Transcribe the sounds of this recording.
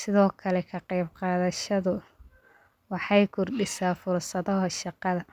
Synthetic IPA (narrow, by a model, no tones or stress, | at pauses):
sɪðɔːkʰɐlɛkʰɐqɑjb̚qɑːðɐʃɐðʊ | wɑħɑjkʰʊrɖɪsaːfʊrsɐðɔɦɐʃɑqɑðɐ